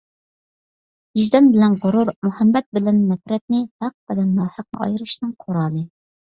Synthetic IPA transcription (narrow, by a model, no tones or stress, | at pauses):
jiʒd̪ɛnbɪlɛnʁʊɾuɾmuhɛmːɛt̪̚bɪlɛnːɛpɾɛt̪̚nɪt̪ʰɑq̚bɛd̪ɛnːɑːhəq̚nɨ̰ɑ̰jɾɨʃnɨŋqʰoɾɑːlˠɨ